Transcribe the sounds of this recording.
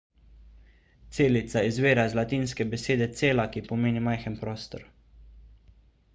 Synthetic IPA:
t̪seːlit̪saizʋeːɾazlat̪iːnskɛbɛseːd̪ɛt̪seːlakipɔmeːnimajxənpɾɔːst̪ɔ̰ɾ

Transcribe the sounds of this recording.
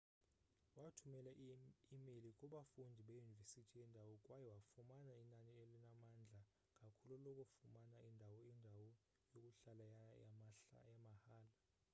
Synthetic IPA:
watʰumɛlaimelikʼuɓafundʱiɓejunivesitʰijɛndʱawɔkʼwajɛwafumanainanielinamand͡ɮʱa | kʼakʰululɔkʼufumanaindʱawɔindʱawɔ | jokʼuɬalajajamahaːla

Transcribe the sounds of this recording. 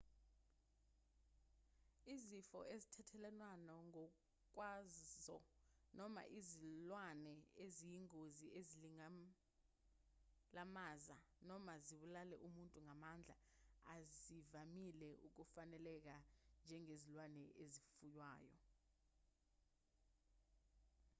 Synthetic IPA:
izifɔ̰ezitʰɛtʰɛlɛnwanɔŋɔ | k̬wazzɔ | nɔma̰ʔizilwanɛezijiŋoziʔeziliŋa | lamaːza | nɔmaziɓulalɛʔumuntʼuŋamand͡ɮʱa | azivamilɛʔuk̬ufanɛlɛk̬and͡ʒʱɛŋezilwanɛʔezifujwaːjɔ̰

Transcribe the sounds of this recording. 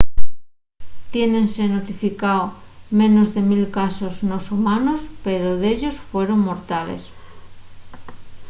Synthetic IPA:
t̪je̞nẽ̞nsenot̪ifikaw | mẽnozðe̞milkasoznosumanospeɾoðeʎosfwe̞ɾoŋmoɾt̪alḛs

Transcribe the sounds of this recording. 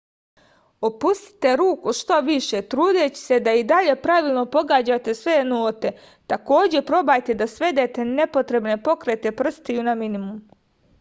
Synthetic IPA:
opust̪i̥t̪e̞ɾuːkuʃt̪oʋiʃe̞t̪ɾuːd̪et͡ɕi̥se̞d̪aid̪aʎe̞pɾaʋilˠno̞po̞ɡaːd͡ʑat̪e̞sʋenoːt̪e̞ | t̪ako̞ːd͡ʑe̞pɾo̞bajt̪e̞d̪asʋe̞d̪e̞t̪e̞ne̞po̞t̪ɾe̞bne̞po̞kɾet̪e̞pr̩st̪ijunaminimum

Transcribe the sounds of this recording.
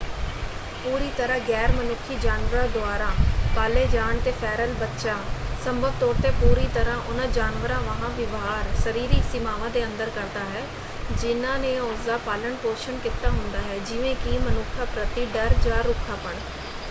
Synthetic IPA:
puːɾiːt̪əɾãːɡɛːɾmənʊkʰːiːd͡ʒaːnʋəɾãːd̪ʊaːɾãːpaːleːd͡ʒaːɳt̪eːpʰɛːɾəlbətːʃaːsəmbəɡ̚t̪oːɾt̪eːpuːɾiːt̪əɾãːʔʊnãːd͡ʒaːnʋəɾãːʋəɦãːʋɪʋɦaːɾsəɾiːɾɪksɪmaːʋãːd̪eːənd̪əɾkəɾd̪aːɦɛː | d͡ʒɪnãːnẽːosd̪aːpaːləɳpoːʃənkɪt̪aːɦʊnd̪aːɦɛːd͡ʒɪʋẽːkimənʊkʰːaːpɾət̪iːɖəɾd͡ʒaːɾʊkʰːaːpəɳ

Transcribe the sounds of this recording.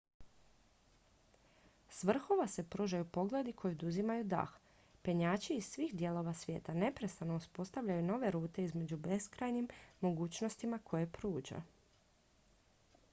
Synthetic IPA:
sʋr̩xo̞ʋase̞pɾuːʒajupo̞ɡle̞d̪ikʰo̞jiod̪uzimajud̪a̰x | pe̞ɲaːt͡ɕiːz̥sʋiːxd̪je̞lˠo̞ʋasʋje̞̰ːt̪ane̞pɾe̞st̪anouspo̞st̪aʋʎajuno̞ʋe̞ɾuːt̪e̞izme̞d͡ʑube̞skɾajnimːo̞ɡuːt͡ɕnost̪imakʰo̞je̞pɾuːd͡ʒa̰

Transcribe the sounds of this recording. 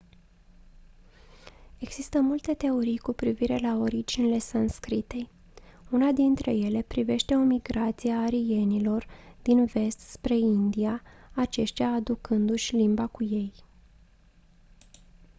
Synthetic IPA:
e̞ɡz̥ist̪əmult̪e̞t̪e̞o̞ɾijkupɾiviɾe̞lao̞ɾid͡ʒinile̞sanskɾit̪e̞j | unad̪int̪ɾe̞̰je̞le̞pɾive̞ʃt̪e̞o̞miɡɾat̪sijaːɾije̞nilo̞rd̪̥inve̞st̪spɾe̞ind̪iaat͡ʃe̞ʃt̪ʲaːd̪ukɨnd̪uʃʲlimbakuje̞j

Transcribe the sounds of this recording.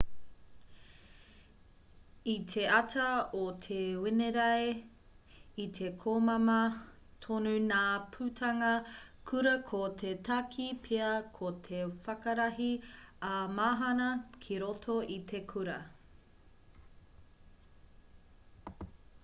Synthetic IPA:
itʰe̞ɐtʰɐot̪ʰewɪneɾɐe | itʰe̞kʰomɐmɐ | t̪ʰonunaːpʰʉtʰɐŋɐkʰuɾɐkʰotʰetʰɐkʰipʰeɐkʰotʰefɐkɐɾɐɦiɐmaːɦɐnɐkʰiɾotʰoʔit̪ʰe̞kʰuɾɐ

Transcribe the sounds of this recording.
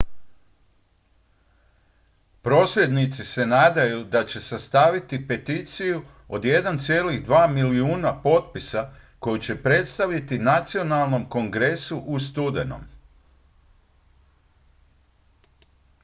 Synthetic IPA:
pɾo̞ːsɾe̞d̪nit̪sise̞naːd̪ajud̪at͡ɕe̞sast̪aʋit̪ipe̞t̪it̪siju | o̰d̪je̞d̪ant̪sje̞ːliɣd̪ʋaːmiliuːnapo̞t̪̚pisako̞jut͡ɕe̞pɾe̞t̪st̪aʋʎit̪inat̪sio̞nalˠno̞mko̞ŋɡɾesuʔust̪ud̪eno̰m

